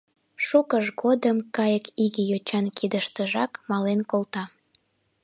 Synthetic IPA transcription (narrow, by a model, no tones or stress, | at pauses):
ʃukəʒɣod̪əmkɑjəkiɣijot͡ɕɑnkʰid̪əʃt̪əʒɑkmɑlenkolt̪ɑ